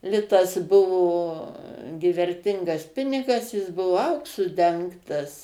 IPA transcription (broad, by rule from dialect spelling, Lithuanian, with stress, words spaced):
ˈlʲɪtɐs ˈbʊʋoː ɡʲɪ ʋʲɛrʲˈtʲɪŋɡɐs ˈpʲɪnʲɪɡɐs ˈjɪs ˈbʊʋoː ˈɐʊksʊ ˈdʲɛŋktɐs